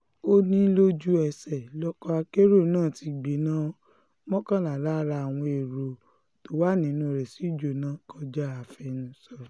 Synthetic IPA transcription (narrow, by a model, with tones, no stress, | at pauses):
o˦nĩ˦lo˦d͡ʒu˦ɛ˧sɛ˨lɔ˦kɔ˧a˧ke˦ɾo˦˨nãː˦˨ti˧ɡ͡be˨˦nã˦ | mɔ̃˦kã˦la˨la˦ɾa˧a˨w̃ɔ̃˧e˨ɾo˨ | to˦wa˦nĩ˨˦nũ˧˨ɾɛ˨si˨˦d͡ʒo˨nã˨˦kɔ˧d͡ʒa˦a˨fɛ˧nũ˧˦sɔ˧˨